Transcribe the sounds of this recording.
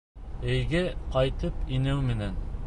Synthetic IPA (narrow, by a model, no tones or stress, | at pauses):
ɘ̆jɡæqɑjt̪ɤpinæwmɘ̆næn